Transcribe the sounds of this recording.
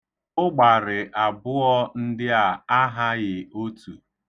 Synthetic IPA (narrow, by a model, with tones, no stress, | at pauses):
ʊ˦ɡ͡ba˨ɾɪ˨ʔa˨bʊ˦ɔ˦n̩˦dɪ˦a˨a˦ɦa˦ɣɪ˨o˦tu˨